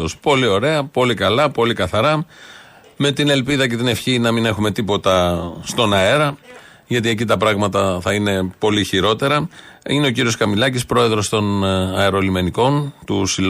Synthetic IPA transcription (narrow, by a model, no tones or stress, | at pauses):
ospo̞lio̞ɾe̞ɐpo̞likɐlɐpo̞likɐθɐɾɐ | me̞t̪ine̞lpiðɐce̞t̪ine̞fçinɐmine̞xume̞t̪ipo̞t̪ɐst̪o̞nɐeɾɐ | ʝɐt̪̬ie̞c̬it̪ɐpɾɐɣmɐt̪ɐθɐine̞po̞liçiɾo̞t̪e̞ɾɐine̞o̞c̬iɾio̞skɐmilɐcispɾo̞e̞ðɾo̞st̪o̞nɐeɾolime̞niko̞nt̪usil